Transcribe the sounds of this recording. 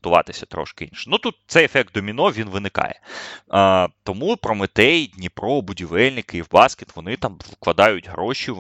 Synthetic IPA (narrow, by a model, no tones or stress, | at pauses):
t̪ʊʋɑ̰t̪ɪsʲɐt̪ɾɔ̰ʃkɪḭnʲʃɛ̥nut̪ut̪̚t̪sɛjefɛk̚t̪̚d̪ɔmʲinɔʋʲinʋɪnɪkɑ̰jɛ̰ | t̪ɔmupɾɔmɪt̪ɛjd̪ʲnʲipɾɔbʊdʲiʋɛlʲnɪkɪiwbɑskʲet̪ʋɔnɪt̪ɑmʋklˠɐd̪ɑjʊtʲɦɾɔʃʲi